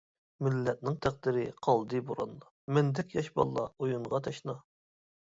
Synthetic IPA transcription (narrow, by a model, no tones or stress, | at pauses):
mɪlːɛt̪̚nɪŋt̪ʰæq̚d̪ɪɾɪqʰɑlˠd̪ɨboɾɑ̰nlˠɑ | mɛnd̪ɛkʲjɑʃbɑ̰lˠːɑ̰ojuɴʁɑt̪ʰɑʃnɑ